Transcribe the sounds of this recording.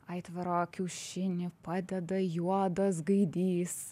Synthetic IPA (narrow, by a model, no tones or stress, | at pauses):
ɐɪt̪ʋɐɾoːkʲɛʊʃʲɪnʲɪpɑːd̪ʲɛd̪ɐjuɔd̪ɐsɡɐɪd̪ʲiːs